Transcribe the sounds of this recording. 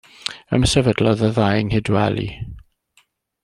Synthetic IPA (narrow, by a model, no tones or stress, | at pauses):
ə̰msɛvədlɔðəðajŋhɪdwɛ̰lḭ